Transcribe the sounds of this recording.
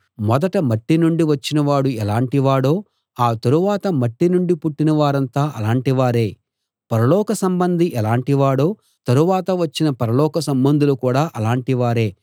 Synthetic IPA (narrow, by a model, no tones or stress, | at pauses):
mɔd̪ɐʈɐmɐʈːinuɳɖiʋɐt͡ʃːinɐʋaːɽuɛlaːɳʈiʋaːɽo̞ː | aːt̪ɐɾuʋaːt̪ɐmɐʈːinuɳɖipuʈːinɐʋaːɾɐnt̪aːʔɐlaːɳʈiʋaːɾe̞ː | pɐɾɐlɔːkɐsɐmbɐnd̪ʱiʔɛlaːɳʈiʋaːɽo̞ː | t̪ɐɾuʋaːt̪ɐʋɐt͡ʃːinɐpɐɾɐlɔːkɐsɐmbɐnd̪ulukuːɽaːʔɐlaːɳʈiʋaːɾe̞ː